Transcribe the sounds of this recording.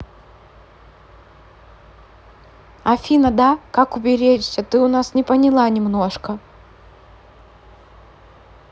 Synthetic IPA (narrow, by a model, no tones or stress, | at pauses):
ɐfʲinəd̪akakʊbʲɪɾʲet͡ʃsʲət̪ɨʊnasnʲɪpənʲɪlˠanʲɪmnoʂkə